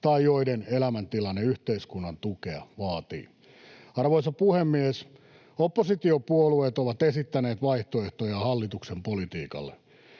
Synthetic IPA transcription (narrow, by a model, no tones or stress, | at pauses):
t̪ɑijoidenelæmænt̪ilɑnːeyht̪eiskunːɑnt̪ukeɑ̰ʋɑːt̪ḭː | ɑrʋoisɑpuhemːies | opːosit̪iopuolueːt̪oʋɑt̪esit̪ːæneːt̪ʋɑiht̪oeht̪ojɑhɑlːit̪uksempolit̪iːkɑ̰lːe